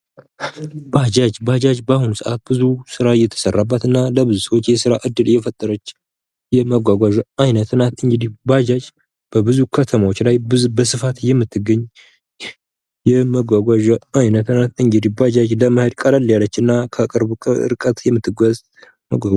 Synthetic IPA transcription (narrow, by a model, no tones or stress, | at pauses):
bad͡ʒad͡ʒbad͡ʒad͡ʒbahunusɨʔat̪̚bɨzusɨɾajɛt̪ʰə̥sərːabːət̪ɨnːaləbɨzusəwot͡ʃːjɛsɨɾaʔɨd̪ːɨljɛfət̪ʼːəɾət͡ʃː | jɛməɡʷaɡʷaʒajnət̪ɨnat̪ɨŋɡɨd̪ihbad͡ʒad͡ʒ | b̥əbɨzukʰət̪ʰəmawot͡ʃːlajɨbəsɨfat̪jɛmːɨt̪ʰːɨɡəɲː | jɛməɡʷaɡʷaʒaajnət̪ɨnat̪ɨŋɡɨd̪ihbad͡ʒad͡ʒləməhəd̪kʼalalijalət͡ʃːɨnːakʰəkʼɨɾbuɨ̰ɾkʼət̪jɛmːɨt̪ʰːɨɡəz | məɡʷaɡ